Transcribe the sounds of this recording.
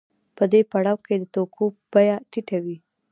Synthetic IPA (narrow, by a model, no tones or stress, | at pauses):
pəd̪epaɽawked̪ət̪okʰob̥ajaʈiʈawi